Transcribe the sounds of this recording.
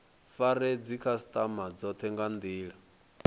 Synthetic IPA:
faɾɛd͡zikʰasit̪ʼamad͡zɔt̪ʰɛŋɡand̪iːɺa

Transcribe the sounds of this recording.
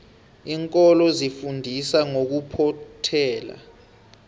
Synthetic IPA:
iŋkʼɔlɔzifundʱisaŋok̬upʰɔtʰɛːla̰

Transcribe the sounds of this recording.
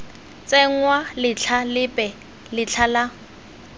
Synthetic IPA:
t͡sʼɛŋ̩walɪt͡ɬʰalɪpʼɛ | lɪt͡ɬʰala

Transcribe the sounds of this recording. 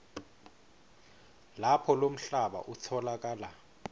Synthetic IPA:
lapʰɔlom̩ɬaɓa̰ʔut͡sʰɔlak̬ʼaːla

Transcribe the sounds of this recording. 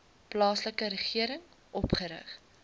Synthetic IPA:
plɑːsləkəɾəχiəɾəŋ | ʔɔpχəɾə̰χ

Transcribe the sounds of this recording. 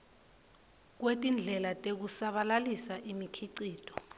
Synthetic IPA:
k̬wetʼind͡ɮʱɛlatʼek̬usaɓalalisaʔimikʰiǀiːtʰʼɔ̥

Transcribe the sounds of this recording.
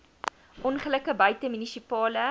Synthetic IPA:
ʔɔnχələkəbœɥtəmynisipɑːlə

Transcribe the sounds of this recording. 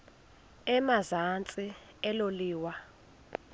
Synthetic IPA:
ɛmazant͡sʼi | ɛloliːwa

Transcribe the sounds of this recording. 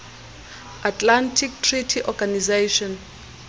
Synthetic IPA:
atlantʰik̚tʰritʰiʔɔɡanizeʃɔn

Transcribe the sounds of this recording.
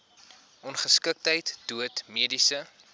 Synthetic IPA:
ɔnχəskək̚təjtd̥uətmiədisə

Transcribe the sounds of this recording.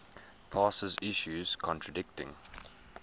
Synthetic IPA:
pʰɑːsəzɪʃjuz̥kʰɔ̃ntʰɹ̥ədɪk̚tɪ̰̃ŋ

